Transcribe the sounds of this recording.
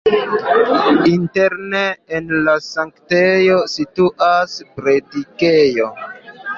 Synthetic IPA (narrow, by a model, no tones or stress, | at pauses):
inteɾneːnlasaŋktejo̞situʔaspɾedikejo̞